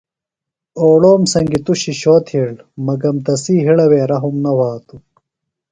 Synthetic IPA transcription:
oːɽoːmsɐŋɡit̪uɕiɕoːt̪ʰiɽ | mɐɡɐmt̪ɐsiːɦiɽɐweːɾɐɦumnɐwaːt̪u

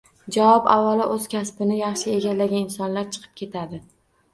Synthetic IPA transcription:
d͡ʒavɒbavːalɪʔɵz̥kʲʰaspɪnɪjɑχʃɪeɡʲalːaɡʲanɪnsɒnlaɾt͡ʃʰɨ̥qʰɨ̥p̚kʲʰe̞t̪ʰad̪ɪ

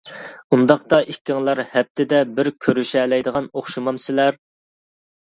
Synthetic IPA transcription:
und̪ɑχt̪ɑʔikʲːɪŋlˠɑɾhɛp̚t̪ʰɪd̪ɛbɪɾkʲʰøɾyʃɛlɛjd̪əʁɑnoχʃumɑmsɪlæɾ

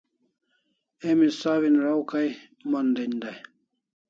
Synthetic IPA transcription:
emisaːβinɾawkaj | mɐnd̪end̪aj

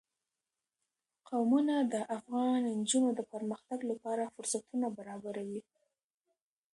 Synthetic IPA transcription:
qawmunad̪əʔafɣɑnnd͡ʒunod̪əpəɾməxt̪aɡlapɑɾafʊɾsat̪unabaɾɑbaɾawi

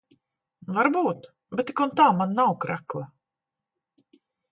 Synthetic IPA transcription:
vaɾbuːt̪ | bɛt̪ːikunt̪aːmanːawkɾaklˠa

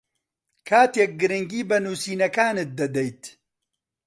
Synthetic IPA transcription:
kʰaːt̪jek̚ɡɨɾɨŋɡiːbɐnuːsiːnɐkaːnɨt̪̚d̪ɐd̪ɛjt̪

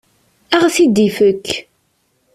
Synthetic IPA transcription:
æʁθid̪ifəkː

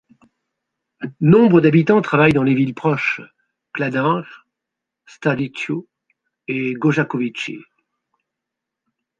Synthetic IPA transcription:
nɔ̃bʁəd̪abit̪ɑ̃t̪χavajd̪ɑ̃levilpχɔʃ | klad̪ɛ̃ʁ | st̪alit͡ʃo | eɡoʒakɔvit͡ʃḛ

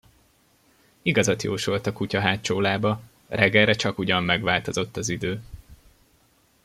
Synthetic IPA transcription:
iɡɒzɒt̪jo̰ːʃo̞lt̪ɒkucɒɦaːt͡ʃoːlaːbɒ | rɛɡːɛlɾɛt͡ʃɒkuɟɒmːɛɡʋaːlt̪o̞zo̞t̪ːɒzid̪øː

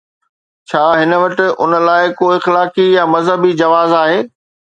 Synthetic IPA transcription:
t͡ɕʰaːɦɪnə̆ʋɐʈɪ̆ʔʊ̰nə̆laːɪkoːɪxlaːkijamɐzɦəbid͡ʑɐʋaːzaːɦeː

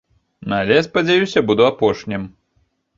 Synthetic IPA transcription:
nalʲɛjaspɐd͡zʲajusʲɐbud̪uapɔʂnʲim

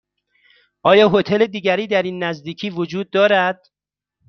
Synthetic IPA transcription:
ʔɒːjɒːɦo̞t̪ʰe̞led̪iːɟæɾiːd̪æɾiːnːæzd̪iːcʰiːvod͡ʒuːd̪̚ːɒːɾæd̪̥̚

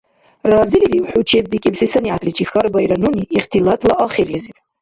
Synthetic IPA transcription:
raːziliviwħut͡ʃʰeb̚dikʲʼibzisaniʕat̪ʰʼlit͡ʃʰʼixaɾbajɾanuniʔːχtʰilatʼlaʔaχirlizip

